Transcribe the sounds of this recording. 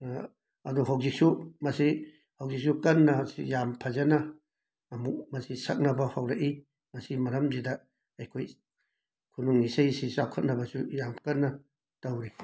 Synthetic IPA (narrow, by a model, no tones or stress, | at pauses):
ɐduɦawzik̚sumɐsi | hawzik̚sukɐnːɐsḭjampʰazanɐː | muk̚mɐsisɐk̚nɐbɐhawɾaʔi | mɐsimɐɾɐmzidɐ | ɐjkʰoj | kʰunuŋnisajsisaw̚kʰɐt̚nɐbɐsujamkɐnːɐ | tawɾi